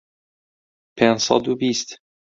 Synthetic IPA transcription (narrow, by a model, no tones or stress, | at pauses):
pʰensɒ̰ːd̪ubiːst̪